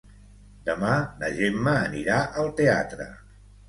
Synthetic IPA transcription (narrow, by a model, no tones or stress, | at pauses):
d̪̥əmanəʒemːəːniɾaʔəlˠt̪ea̰t̪ɾə̰